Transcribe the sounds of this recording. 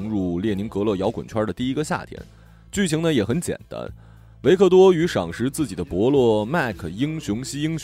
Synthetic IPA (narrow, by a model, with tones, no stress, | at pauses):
ŋɻu˥˧ljɛ˥˩ni˧˥ŋkɤ˧˥lɤ˥˩jɑ˧˥ʊkwə˨˩nt͡ɕʰwɐ˥də˨t̪i˥˩i˥ɡə˧ɕja̰˥˩t̪ʰjɛ̰˥n | t͡ɕy˥˩t͡ɕʰi˧˥ŋnə˧jɛ˨˩xə˧˥nt͡ɕjɛ̰˨˩nt̪a̰˥n | we˧˥ɪkʰɤ˥˩t̪̬wɔ˥y˧˥ʂɑ˨˩ŋʂɻ̩˧˥t͡sɹ̩˥˩t͡ɕi˨˩d̪ə˦pwɔ˧˥lwɔ˥˧ma˥˩ɪkʰə˨˩i˥ŋɕʊ˧˥ŋɕi˥i˥ŋɕ